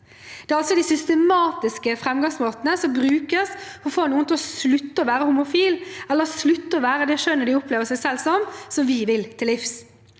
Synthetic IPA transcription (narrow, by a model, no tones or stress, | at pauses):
d̪̥ɛːɾɑlsɔd̪ɪsʏst̪əmɑːt̪ɪskəfɾɛmɡɑŋsmoːt̪ənəsɔmbɾʉːkəsɔɔfoːnuːənt̪ʰlɔslʉt̪ːəɔʋæːɾəhʊmʊfiːlɛlːəʁslʉt̪ːəɔʋæːɾəd̪ɛːʂœnːəd̪ɪɔpleːʋəsɛɪsɛlsɔmsɔmʋɪʋɪlt̪ʰɪlːɪfs